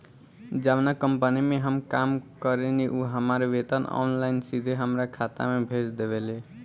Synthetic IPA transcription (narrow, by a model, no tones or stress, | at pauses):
d͡ʒaʋnəkəmpənimeɦəmkamkəɾeniʔuɦəmaɾʋet̪əna̰nlaɪnsid̪ʱeɦəmɾakʰat̪a̰mebʱesd̪eβele